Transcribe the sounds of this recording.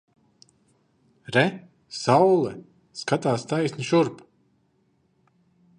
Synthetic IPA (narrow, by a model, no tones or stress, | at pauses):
ɾɛ | sawlˠɛ | skat̪aːst̪ajsnʲiʃuɾp